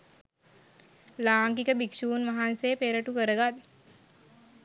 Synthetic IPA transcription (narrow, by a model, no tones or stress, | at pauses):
laːŋkikəbikʃuːnʋaɦansejpeːɾəʈukəɾəɡad̪